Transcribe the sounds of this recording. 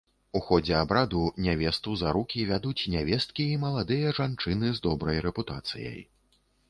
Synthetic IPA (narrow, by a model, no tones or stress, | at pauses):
uxɔd͡zʲɛabɾad̪unʲavʲɛst̪uzaɾukʲivʲad̪ut͡sʲnʲavʲɛst̪̚kʲiːmɐlˠad̪ɨjɐʐant͡ʂɨnɨzd̪ɔbɾɐjɾɛput̪a̰t̪sɨ̰jɐ̰j